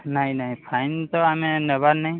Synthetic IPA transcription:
najnajpʰajnt̪ɔamɛnɛβaɾna

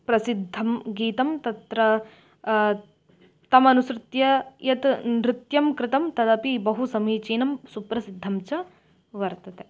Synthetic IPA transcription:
pɾɐsid̪ʱːɐmɡiːt̪ɐmt̪ɐt̪ɾɐ | t̪ɐmɐnusɾɪt̪jɐjɐt̪nɾɪt̪jɐmkɾɪt̪ɐmt̪ɐd̪ɐpibɐɦusɐmiːt͡ʃiːnɐmsupɾɐsid̪ʱːɐmt͡ʃɐ | ʋɐɾt̪ɐt̪e

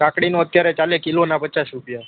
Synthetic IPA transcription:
kãkɽinoət̪jaɾet͡ʃalekilonapət͡ʃasɾupja

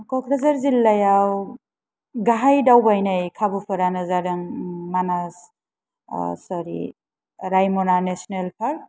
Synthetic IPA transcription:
kɔkʰɾazaɾzilːajaw | ɡaɦajdawbajnajkʰabɯpʰɯɾanɯzaɾɯŋmanas | sɔɾḭ | ɾajmɔnanesnelpʰaɾ

